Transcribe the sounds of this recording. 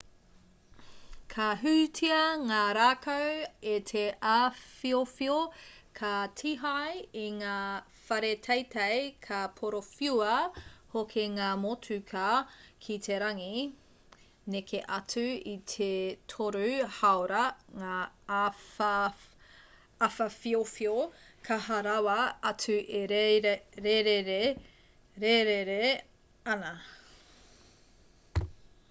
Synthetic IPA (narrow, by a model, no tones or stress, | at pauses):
kʰɐɦʉtʰiɐŋaːɾaːkʰɐwetʰeʔafiofiokʰɐtʰiɦɐjiŋaː | fɐɾetʰɐjtʰɐjkʰɐpʰoɾofiuɐhokʰeŋaːmotʰʉkʰɐkʰitʰeɾɐŋi | nekʰeʔɐtʉitʰetʰoɾʉhɐoɾɐŋa | ɐfɐfiofiokʰɐhɐɾɐwɐɐtʉʔeɾeɾeɾeɾe | ɾeɾeɾe | ɐnɐ